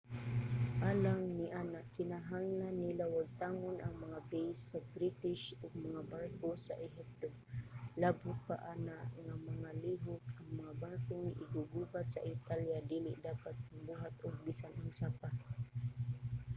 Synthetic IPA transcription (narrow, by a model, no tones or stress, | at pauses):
ʔalaŋniʔanaʔkɪnaɦaŋlanːilawaɡ̚t̪aːŋʊnʔaŋmaŋabejsːabɾit̪ɪʃʊɡ̚maŋabarkosa̰ʔɪɦip̚t̪o | labʊt̪̚pa̰ʔanaʔŋamaŋaliɦʊt̪aŋmaŋabarkoŋiʔɪɡʊɡuhat̪̚sa̰ʔɪt̪aljadilɪʔdapat̪̚maŋbuɦat̪ʊɡ̚bisanʔʊnsapa